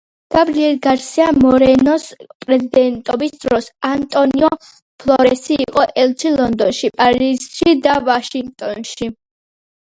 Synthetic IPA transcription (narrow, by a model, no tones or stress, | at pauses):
ɡ̥abɾiɛɾɡaɾsiamɔɾɛnɔspʼɾɛzid̪ɛnt̪ʼɔbisd̪ɾɔsant̪ʼɔniɔ | pʰlˠɔɾɛsiːqʼɔʔɛlt͡ʃʰilˠɔnd̪ɔnʃipʼaɾiz̥ʃid̪avaʃiŋɡ̚t̪ʼɔnʃi